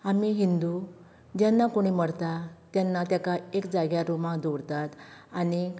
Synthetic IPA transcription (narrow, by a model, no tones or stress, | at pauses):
amiɦind̪u | d͡ʑjanːakoɽ̃iːməɽt̪at̪janːat̪jakaekd͡zaɡjaɾomãkd̪oɽt̪at̪añi